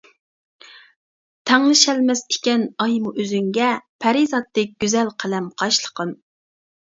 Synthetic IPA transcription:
t̪ʰɛŋlˠɨʃɛlmɛsɪ̥kʲɛnɑjmuʔøzyŋɡʲɛpʰæɾizɑt̪ːɛk̚ʲɡ̥ʲyzɛlqʰælɛmqʰɑʃlˠə̥qʰən

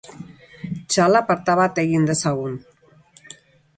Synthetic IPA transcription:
t͡ʃalapaɾt̪aβat̪ejind̪esaɣun

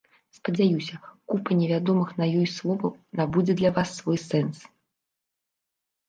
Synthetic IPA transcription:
spɐd͡zʲajusʲɐkupɐnʲɛvʲad̪ɔmɨxnɐjɔjslˠɔvɐnabud͡zʲɛd̪lʲɐvasːvɔjsɛns

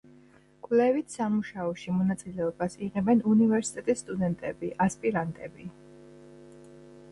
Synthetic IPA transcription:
kʼvlɛvit̪ʰsamuʃaɔʃimɔnat̪sʼilɛɔbasiʁɛbɛnunivɛɾsit̪ʼɛt̪ʼisːt̪ʼud̪ɛnt̪ʼɛbiʔaspʼiɾant̪ʼɛbi

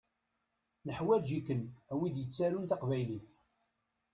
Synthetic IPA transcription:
nəħwæd͡ʒikːənæwid̪jət͡sːæɾunt̪ɑqvæjliθ

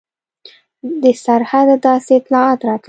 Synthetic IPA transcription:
d̪əsaɾhad̪d̪ɑseɪt̪lɑɑt̪ɾɑt̪l

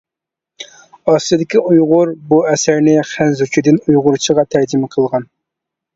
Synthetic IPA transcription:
ɑːsijid̪ɪkʲiujʁʊɾbuɛsæɾnɪχænzut͡ʃʰid̪ɪnujʁʊɾt͡ʃʰəʁɑt̪ʰæɾd͡ʒimɪqʰəlˠʁɑn

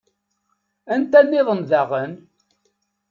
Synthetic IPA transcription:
ænt̪ænːɪðˤənðaʁən

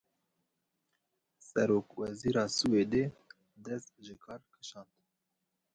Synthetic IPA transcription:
sɛɾoːkwɛziːɾɑːsuːeːd̪e | d̪ɛst̪ʒɪkʰɑːɾkʰɨ̥ʃɑːnd̪

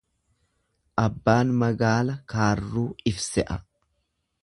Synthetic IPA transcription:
ʔɐbːaːnmɐɡaːlɐkaːrːuːɪfsɛʔɐ

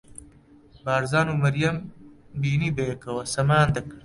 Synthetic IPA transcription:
baːɾzaːnumɐɾijɐmbiːniːbeːkɐwɐsɐmaːnd̪ɐk

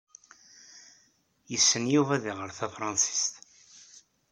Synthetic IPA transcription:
jəsːənjuvæðiʁəɾθæfɾˤɑnsi̥st̪

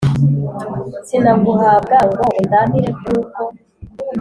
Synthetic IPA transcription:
sinaɡuɦaːb̚ɡaŋɡoʔudamiɾebjuːko

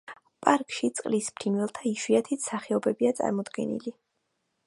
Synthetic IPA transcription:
pʼaɾkʼʃit̪sʼqʼlispʰɾinwɛlˠt̪ʰaiʃwiat̪ʰit̪saχɛɔbɛbiat̪sʼa̰ɾmɔd̪ɡɛ̰nḭli

